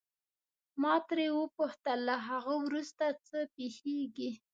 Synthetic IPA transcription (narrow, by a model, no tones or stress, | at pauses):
mɑt̪ɾewəpuht̪əlːaɦaɣəwɾust̪at͡səpexeɡi